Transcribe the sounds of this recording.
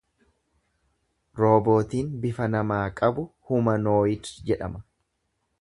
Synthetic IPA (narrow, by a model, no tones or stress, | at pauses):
ɾo̞ːbo̞ːt̪iːnbɪfɐnɐmaːkʼɐbʊhʊmɐno̞ːjɪtd͡ʒɛᶑɐ̰mɐ